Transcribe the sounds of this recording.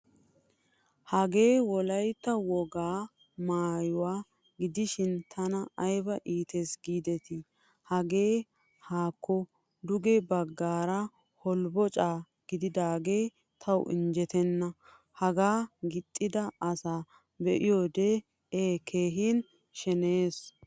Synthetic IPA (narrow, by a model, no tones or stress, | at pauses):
hɐɡe̞ːwɔlɐjt̪ːɐwɔɡaː | maːjʊwaː | ɡɪd̪ɪʃɪnt̪ʰɐnɐɐjbɐʔiːt̪ʰesɡiːd̪ɛt̪ɪ | hɐɡe̞ː | haːkːɔ | d̪ʊɡɛbɐɡːaːɾɐ | hɔlbɔt͡ʃʼaː | ɡ̥ɪd̪ɪd̪aːɡe̞ː | t̪ʰɐw̰ʔɪ̰nd͡ʒɛt̪ɛnːɐ | hɐɡaːɡɪt̪ʼːɪd̪ɐɐsaː | bɛʔɪjoːd̪e | eːkʰeːɦin | ʃɛneːs